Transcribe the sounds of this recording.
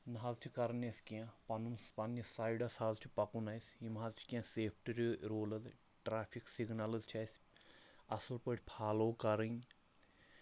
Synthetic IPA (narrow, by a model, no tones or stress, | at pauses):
nɦaːzt͡ʃʰikɐɾnɐskiãpɐnunspɐnːɐsaːiɖɐshaːzt͡ʃʰu̥pɐkunɐjsimɦaːzt͡ʃʰi̥kʲiãseːpʰʈiɾʲiɾoːlɐz | ʈɾaːpʰiksiɡnalɐzt͡ʃʰɐsʲ | ɐsulpəʈʰʲpʰaːloːkɐɾɨŋ